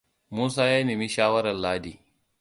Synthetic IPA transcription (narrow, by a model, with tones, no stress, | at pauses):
muː˦s̬aː˦jaː˦niː˨mi˦ʃaː˦wɐ˦ɾɐ˨nlaː˦diː˦˨